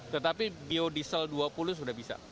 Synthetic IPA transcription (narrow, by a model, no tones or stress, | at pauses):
t̪ət̪apibiodisəlduapulʊs̬udahbisa̰